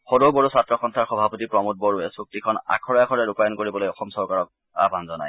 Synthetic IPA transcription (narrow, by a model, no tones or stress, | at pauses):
xodoboɹusatɹɔxɔntʰaɹxɔbʱapɔtipɹɔmut̚boɹuɛsuk̚tikʰɔna̰kʰɔɹɔjakʰɔɹɛɹupajɔnkoɹibɔlojɔxɔmsɔɹkaɹɔk̚ | a̰bʱanzɔna̰j